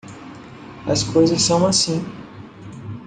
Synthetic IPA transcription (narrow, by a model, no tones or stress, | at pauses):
ɐskojzɐsːɐ̃w̃asĩ